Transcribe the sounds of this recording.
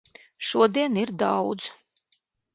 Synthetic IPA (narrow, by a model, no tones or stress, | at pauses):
ʃuɔd̪iɛniɾd̪awd̪z